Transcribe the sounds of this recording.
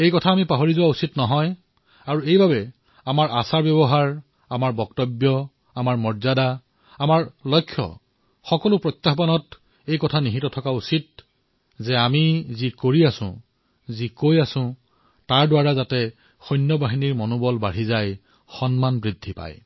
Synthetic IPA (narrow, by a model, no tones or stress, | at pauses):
ejkɔtʰaːmipaɦoɹizʊwausitnɔɦɔj | aɹuejbabɛ | amaɹasaɹbɔbɔɦaɹ | amaɹbɔk̚tɔbjɔ | amaɹmɔɹzada | amaɹlɔjkʰːjɔ̰ | xɔkɔlʊpɹɔt̪ːaxbanɔt | ejkɔtʰaniɦitɔtʰɔkausit̚ | zɛamizikoɹiasʊ̰̃ | zikojasʊ̃ | taɹdʊwaɹazatɛ | xɔjnjɔbaɦiniɹmɔnʊbɔlbaɹizaj | xɔnmanbɹidʱːipa̰j